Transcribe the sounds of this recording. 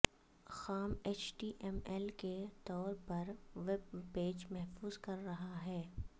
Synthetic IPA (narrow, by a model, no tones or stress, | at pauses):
xaːmeːt͡ʃʈiːʔɛmɛlket̪ɔːɾpɐɾʋebpeːd͡ʒmɛɦfuːzkɐɾːɐɦaɦɛː